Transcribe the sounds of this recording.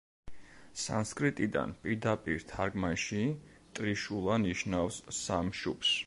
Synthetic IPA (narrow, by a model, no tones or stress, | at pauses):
sa̰nskʼɾit̪ʼid̪a̰npʼiɾd̪apʼiɾt̪ʰaɾɡmanʃi | t̪ʼɾiʃulˠaniʃnafsamʃups